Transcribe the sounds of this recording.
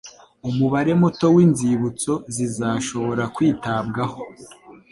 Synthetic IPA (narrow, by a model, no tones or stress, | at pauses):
umuβaɾe̞muto̞wiːnziβut͡so̞zizaʃo̞βo̞ɾakwiːtabɡaho̞